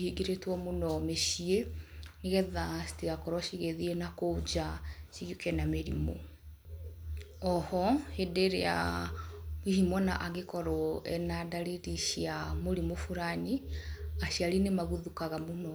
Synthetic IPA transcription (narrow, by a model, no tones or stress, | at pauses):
hiɡiɾetwɔmonɔmeʃieneɣɛðasi̥tiɣakɔɾwɔʃiɣeðienakod͡ʒaʃiɣukɛnameɾḭmo̰ | ɔhɔhedeɾea̰ | wihimɔnaʔaɣekɔɾɔɛnadaliɾiʃiamoɾimofuɾaniaɕiaɾinemaɣuðukaɣamonɔ